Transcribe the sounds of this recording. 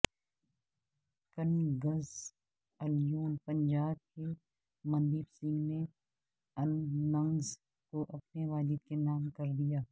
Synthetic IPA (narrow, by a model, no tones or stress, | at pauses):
kɐnɡɐz | ɐljuːnpɐ̃ɲd͡ʒaːb̪̚ke | mɐ̃nd̪iːbsɪ̃ŋɡne | ɐnːɐ̃ŋz | koʔɐpneʋaːd͡ʒɪd̪̚kenaːmkɐɾd̪ijaː